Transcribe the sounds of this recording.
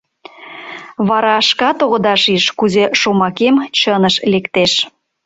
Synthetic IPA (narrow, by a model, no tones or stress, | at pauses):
βɑɾɑʃkɑt̪oɣəd̪ɑʃiʃkuzeʃomɑkemt͡ɕənəʃlekt̪eʃ